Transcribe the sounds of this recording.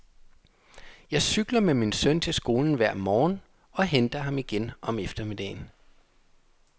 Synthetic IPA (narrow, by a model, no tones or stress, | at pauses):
jɑ̈ɪsyɡ̥lɐmeminsœnt͡sʰe̝lsɡ̥o̝ːln̩ʋæɐ̰mɒːn | ɒ̽ɦend̥ɐɦɑ̈miɡ̥enʔɒ̽mefd̥ɐmid̥ɛ̰ːn